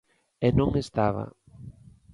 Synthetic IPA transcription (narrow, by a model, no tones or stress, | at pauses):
enõŋest̪aβa̰